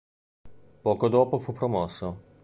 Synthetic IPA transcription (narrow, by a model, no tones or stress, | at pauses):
pɔːkod̪oːpofupɾomɔsːo